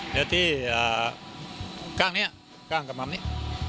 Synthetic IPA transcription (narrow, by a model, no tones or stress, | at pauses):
jat̪ia | kaŋni | kaŋkəmamniʔ